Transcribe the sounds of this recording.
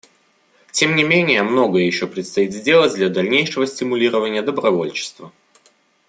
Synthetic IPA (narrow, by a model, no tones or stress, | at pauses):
tʲemnʲɪmʲenʲɪjəmno̞ɡəjəjɪɕːopɾʲɪt̪st̪ɐit̪zʲdʲe̞lˠətʲd̪lʲɐd̪ɐlʲnʲejʂəvəsʲtʲɪmʊlʲiɾəvənʲɪjəd̪əbɾɐvo̞lʲt͡ɕɪ̥st̪və